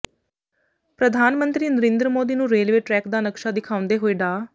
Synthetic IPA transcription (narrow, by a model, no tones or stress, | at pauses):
pɾəd̪ʱaːnmənt̪ɾiːnəɾẽːnd̪ɾəmoːd̪iːnũːɾeːlʋeːʈɾɛːkd̪aːnəkʃaːd̪ɪkʰaːʊ̃nd̪eːɦoːeːɖaː